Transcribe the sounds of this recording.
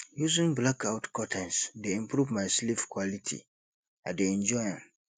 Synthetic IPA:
juzĩŋblakʰaʊtkʰɔtʰɛ̃nsdeɛ̃mpʰɾuvmãɪslifkʰwalitʰḭ | ãdeɛ̃ɲd͡ʒɔjãn

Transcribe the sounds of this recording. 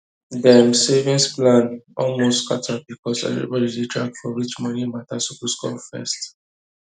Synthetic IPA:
dɛmsevĩnsplãnɔlmostskatʰad̚bikʰɔsɛ̰vɹḭbɔdidetʰɹak̚fɔɹit͡ʃmɔnimatasukuskɔ̰fɛ̰st

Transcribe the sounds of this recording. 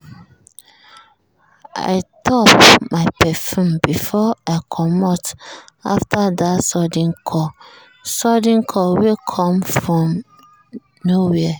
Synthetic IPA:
a̰ɪtʰɔpmapʰɛfũmbifɔaɪkʰɔmɔta̰ftʰadasɔdĩŋkʰɔ | sɔdĩŋkʰɔwikʰɔ̃mfɹɔ̃m | nowɛa

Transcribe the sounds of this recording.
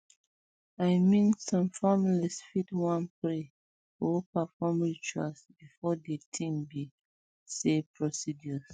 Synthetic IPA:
ajmĩnsɔ̃mfamilisfitwãnpɹi | opafɔmɹit͡ʃua̰sbifɔdetʰĩmbi | sepʰɹɔsid͡ʒɔs

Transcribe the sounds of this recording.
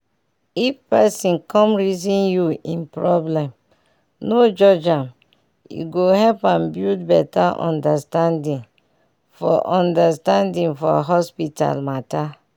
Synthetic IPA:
ifpɛsĩnkɔ̃mɹizĩnjuĩnpɹɔblɛ̃m | nod͡ʒɔd͡ʒãm | ḭɡohɛlpãmbjudbɛtaʔɔ̰̃ndastãndĩn | fɔ̰ʔɔ̃ndastãndĩnfɔ̰ɦɔspita̰lmata

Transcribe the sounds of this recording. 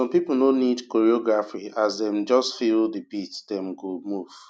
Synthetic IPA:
sɔ̃mpipl̩nonidkoɹiɔɡɹafiazdɛ̃md͡ʒɔstfilˠdibitdɛ̃mɡomuv̥

